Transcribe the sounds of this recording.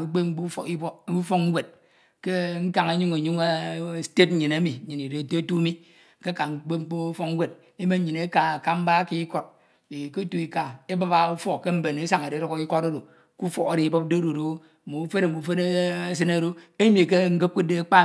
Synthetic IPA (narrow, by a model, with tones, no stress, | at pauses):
o˨˦k͡pe˦ŋ͡m̩˦k͡pu˦˨i˦bu˦fo˦k̩˦ɡʷe˨t̚ | ke˦ŋ̩˦ka˨ŋa˦ɲu˦ŋe˨ɲu˦ŋa˦ste˦t̚ɲ̩˦ɲi˨na˦mi˨˦i˨ni˨ɾe˨te˦tu˦mi˦ | ke˦ka˨ŋ͡m̩˦k͡pe˦ŋ͡m̩˦k͡po˦fo˦ŋ˦wʷe˨d̚ | e˦me˦ɲ̩˦ɲi˨ne˦ka˨a˨ka˦m̩˦ba˦ki˦ko˦t̚ | e˨ko˦tu˨i˨ka˨e˦ba˦ba˨u˦fo˦kke˦m̩˦be˨ne˦sa˨ŋe˨ɾe˨˦ɾo˦kki˦ko˦to˦ɾo˨ | ku˦fo˨ka˨ɾe˨i˨bo˦p̚de˦ɾo˨do˨˦˨ | mo˨u˦fe˦ne˨m̩˨bu˨fe˦ne˦s̬ɨ˦na˦˨ɾo˦e˦mi˨k̬e˦ŋ̩˦ɡe˦p̚ke˦de˨˦k͡pa˦˨